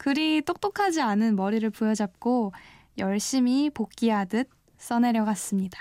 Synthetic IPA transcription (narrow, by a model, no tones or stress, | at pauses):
kɯɾit͈ok̚t͈okʰad͡ʑianɯnmʌɾiɾɯɭpujʌd͡ʑap̚k͈o | jʌɭɕ͈imipokk͈iadɯt̚ | s͈ʌne̞ɾjʌɡas͈ɯmɲidḁ